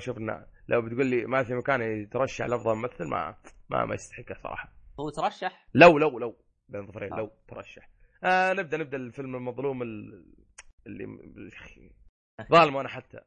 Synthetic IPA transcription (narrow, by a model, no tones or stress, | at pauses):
ʃuːfɪnːa̰lʔawbɪt̪ɡuːlːimafimakaːnt̪ɾˤɑʃːaħlɑfðˤɑmmaθːalmʔa̰ma̰ma̰jɪst̪aħɪkːasˤɑ̰ɾˤɑ̰ːħɑut̪ɾˤɑʃːaħlawlawlaw | beːnðˤɑfɾʔḛːnlawt̪ɾˤɑ̰ʃːaħ | ʔanɪb̚d̪aʔnɪb̚d̪alfɪlmɪlmɑðˤluːmɪl | ɪlːḭxi | ðˤɑːlmaʔanaħat̪ːa̰